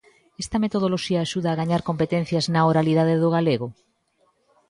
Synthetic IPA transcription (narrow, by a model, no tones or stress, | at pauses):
est̪ɐmet̪oð̞oloʃiɐːʃuð̞aːɣaɲaɾkompet̪en̟θjɐznaoɾalið̞aðeðʊɣ̞aleɣo